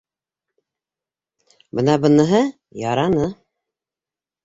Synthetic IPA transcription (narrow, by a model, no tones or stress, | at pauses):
bɤnɑbɤ̆nɤ̆ɦɤ | jɑɾɑnɤ